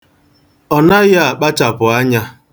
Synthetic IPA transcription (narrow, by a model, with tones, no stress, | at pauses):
ɔ˨na˦ɣa˦a˨k͡pa˦t͡ʃa˨pʊ˨a˦ɲa˦